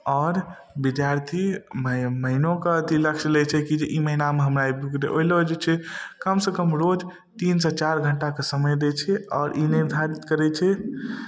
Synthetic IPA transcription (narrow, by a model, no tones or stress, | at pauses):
ɔːɾ | bid̪jaɾt̪ʰiməməinokeət̪iləkʃlɛt͡ʃʰɛkid͡ʒeʔiməɦinameɦəmɾaibukd̪eʔoiləd͡ʒet͡ʃʰɛkəmsəkəmɾod͡ʒ | t̪insə̃t͡ʃaɾɡʱəɳʈakesəməjd̪et͡ʃʰɛɔːɾʔiniɾd̪ʱaɾit̪kəɾɛt͡ʃʰɛ